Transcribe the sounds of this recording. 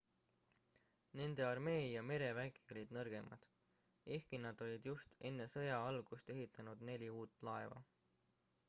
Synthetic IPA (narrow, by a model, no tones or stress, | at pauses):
ne̞nd̪e̞ɑrme̞ːjɑme̞ɾe̞væɡ̥io̞lʲid̪̥nɤrɡ̥e̞mɑ̰d̪̥ | ʔe̞hkinɑd̪̥o̞lʲid̪̥just̪e̞nːe̞sɤ̞jɑɑlɡ̥ust̪e̞ɦit̪ːˑɑnud̪ne̞lʲiuːt̪ˑːlɑe̞vɑ̰